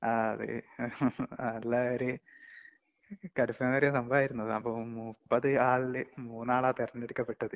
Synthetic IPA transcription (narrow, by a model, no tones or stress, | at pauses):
aɐɐðɨ̰ | ɐlːaːoɾu | kɐɽufːɐnːɐɾijɐsɐmbaːjiɾunːɐðɨɐpːomupːɐðɨaːɭlɨmuːnːaːɭaːt̪irɐnːeɽikːɐpːe̞ʈːɐðɨ